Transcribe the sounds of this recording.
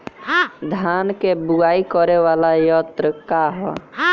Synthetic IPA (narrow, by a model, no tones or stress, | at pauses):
d̪ʱaːnkebuaːikɔɾeʋaːlajɔt̪ɾəkaɦɔ